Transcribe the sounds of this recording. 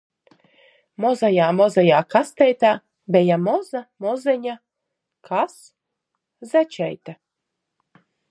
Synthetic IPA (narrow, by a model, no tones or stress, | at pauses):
mɔzajaːmɔzajaːkast̪ɛjt̪aː | bɛjamɔzamɔzɛɲa | kʰas | zat͡ʃɛjt̪a